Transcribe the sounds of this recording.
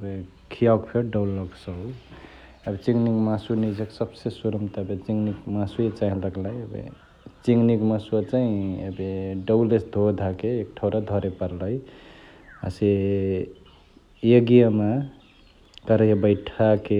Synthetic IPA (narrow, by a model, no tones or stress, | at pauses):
əbe | kʰijakpʰeɾɖawlːɔɡsə | əbit͡ʃiŋɡnikmasunid͡ʒəksəbsesuɾəmt̪abet͡ʃiŋɡnikmasuet͡ʃaɦĩləɡlajəbḛ | t͡ʃiŋɡnikməsuat͡ʃaĩəbeɖəwlesd̪ʱod̪ʱakeːk̚ʈʰəwɾad̪ʱɔɾepəɾləj | a̰se | jeɡijama | kəɾəjebəɪʈʰake